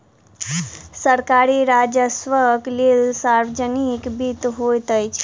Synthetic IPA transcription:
səɾkaɾiɾad͡ʒəsʋəklelsaɾwd͡ʒənikbit̪ɦojt̪əjt͡ʃʰ

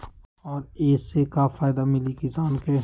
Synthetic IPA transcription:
ɔːɾeːsekafaːɪd̪amɪlikizaːnke

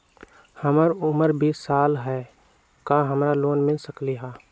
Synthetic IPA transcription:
həməɾʊməɾbʱisaːlɦɛ | kaɦəmɾaloːnmɪlsəkliɦaː

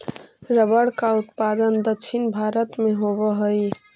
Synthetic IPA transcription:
ɾəbəɽkaut̪pad̪ənd̪əkʃʰinbʱaɾət̪meɦobəɦəj

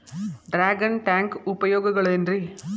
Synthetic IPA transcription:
ɖɾaːɡɐnʈaːŋkʊpɐjoːɣɐɣɐɭendri

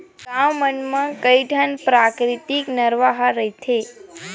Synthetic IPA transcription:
ɡammənmãkəjʈənpɾakɾit̪iknəɾʋaɦaɾəit̪ʰe

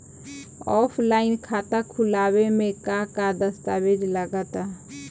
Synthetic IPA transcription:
ɔːpʰlaːɪnkʰat̪akʰulawemẽkakad̪əst̪abed͡ʒləɡat̪a

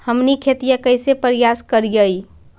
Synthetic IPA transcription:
həmnikʰet̪ijəkəɪsepəɾijaskəɾjəj

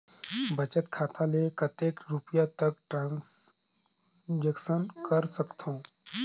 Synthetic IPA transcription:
bɐt͡ʃət̪kʰaːt̪ʰalekɐt̪eːkɾupjat̪ɐk̚ʈɾãːns | d͡ʒekʃənkɐɾsɐkt̪ʰõː

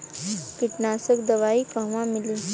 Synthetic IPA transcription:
kiʈnasəkd̪əʋaiːkə̃ʋãmili

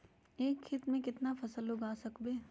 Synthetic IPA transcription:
eːkʰxɪt̪mẽkɪt̪nafɐsəloɡaːsɐkbeː

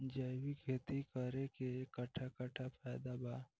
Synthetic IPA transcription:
d͡ʒəjwikʰeːt̪ikəɾekekəʈʰakəʈʰapʰɛːd̪abaː

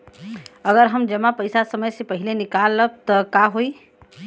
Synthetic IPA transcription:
əɡəɾɦəmd͡ʒəmːapəjsasəməjsẽpəɦilenikalːəb̚t̪əkaɦoj

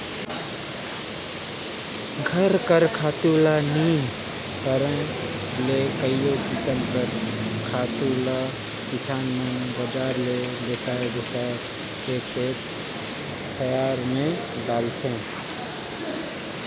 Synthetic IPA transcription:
ɡʱəɾkəɾkʰaːt̪ulaniː | kəɾə̃ | lekəijokɪsənpəɾkʰaːt̪ula | kɪt͡ʃʰaːnmənbəd͡ʒaːɾle | bɪsaːb̪ɪsaː | eːkset̪ | t̪ʰəjaːɾmẽ | ɖaːlt̪ʰẽː

